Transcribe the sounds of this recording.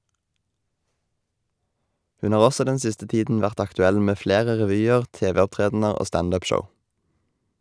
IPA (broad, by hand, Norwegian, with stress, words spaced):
ˈhʉn ˈhɑːʁ ˈɔsɔ ˈdɛn ˈsɪstə ˈtiːdn̩ ˈʋæʁt ɑktʉˈɛl ˈmeː ˈfleːʁə ʁɛˈʋyːəʁ ˈteːˌʋeːɔpˌtʁeːdn̩əʁ ˈoː ˈstɑnd ˈʉːp ˈʃəʊ